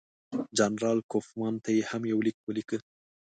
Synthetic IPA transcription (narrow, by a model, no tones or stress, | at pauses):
d͡ʒanɾɑlkofmɑnt̪ajehamjawlik̚wəlikə